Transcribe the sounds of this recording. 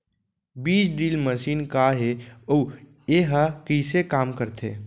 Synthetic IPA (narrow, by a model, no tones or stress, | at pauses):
biːt͡ʃɖiːlməʃiːnkaɦeoː | eɦakisekaːmkəɾt̪ʰḛː